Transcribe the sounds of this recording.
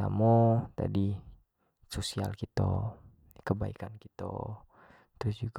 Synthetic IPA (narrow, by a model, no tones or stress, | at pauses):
amot̪a̰di | sosialkit̪o̰ | kəbaikankit̪o̰ | t̪ɾʊsd͡ʒuɡ